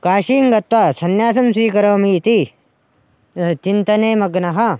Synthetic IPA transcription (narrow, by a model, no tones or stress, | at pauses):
kaːʃiːŋɡɐt̪ʋaːsɐnjaːsɐmsiːkɐɾɐːmit̪i | t͡ʃint̪ɐneːmɐɡnɐɦɐ